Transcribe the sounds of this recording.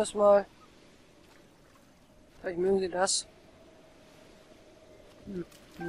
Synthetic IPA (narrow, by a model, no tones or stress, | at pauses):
ɛsmaːl | fɪlaɪçtmøːɡŋ̩ziːdas